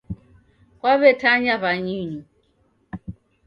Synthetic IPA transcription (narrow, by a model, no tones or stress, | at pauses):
kwaβɛtʰaɲaβaɲiɲi